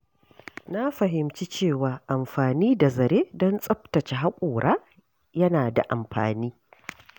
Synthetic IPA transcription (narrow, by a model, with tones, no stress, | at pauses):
na˦ɸɐ˨ɦɪ˨mt͡ʃi˦t͡ʃeː˦˨waː˨ʔa˨mɸaː˨niː˦da˨zɐ˨ɾeː˦dɔ˦nsʼɐ˦ɸtɐ˨t͡ʃe˨ɦa˦kʷʼoː˨ɽʔaː˦ | jɐ˦naː˨da̰˨ʔa˨mɸa̰ː˨niː˦